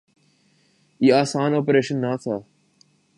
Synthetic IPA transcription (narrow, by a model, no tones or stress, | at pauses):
iːaːsaːnɔːpəɾeːʃə̃nːaːt̪ʰa